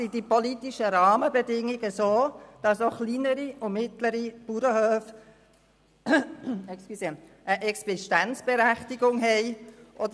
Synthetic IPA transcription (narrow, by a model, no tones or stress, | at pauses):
sidipolit̪iʃəɾɑːməbədɪŋiɡəsoːd̥ɑsoχliːnəɾiʊmɪt̪ləɾib̥uɾəhøːf | ɛksse | əʔɛksɪʃtænt͡sb̥eɾæχtiɡʊŋɦɛɪʔɔdə